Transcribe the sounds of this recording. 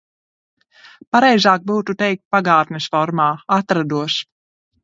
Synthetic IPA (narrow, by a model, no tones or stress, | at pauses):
paɾɛjzaːk̚buːt̪ut̪ɛjk̚t̪̚paɡaːt̪nɛsfɔɾmaːat̪ɾad̪uɔʃ